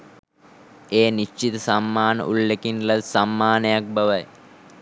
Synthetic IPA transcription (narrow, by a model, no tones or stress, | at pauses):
eːniʃt͡ʃit̪əsamːaːnə̰ʔulːekinlɐsamːaːnəjak̚bɐʋəj